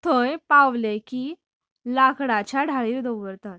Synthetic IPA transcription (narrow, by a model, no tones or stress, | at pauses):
t̪ʰõjpaʋlekiː | lakɽat͡ɕaɖʱaɭiːɾd̪oɡəɾt̪at̪